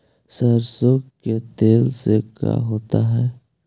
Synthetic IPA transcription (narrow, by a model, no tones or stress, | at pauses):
səɾsokket̪eːlseka̰ɦoːt̪aɦɛː